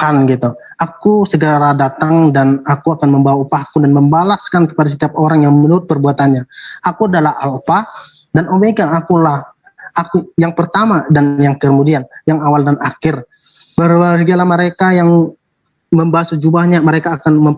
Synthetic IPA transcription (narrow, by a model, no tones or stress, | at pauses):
kanɡit̪u | akusəɡəɾadat̪aŋdanakuakanməmbawaupahkudanməmbalaskankə̥padas̬ət̪iap̚oɾaŋjaŋmənuɾʊt̪̚pərbuat̪anɲaakuadalaalupah | danʔomekaakulah | akujaŋpərt̪amadanjaŋkəkəmudianjaŋawaldanakɪr | bəɾbasəɡalahməɾekajaŋ | məmbawasud͡ʒubahɲaməɾekaːkanmə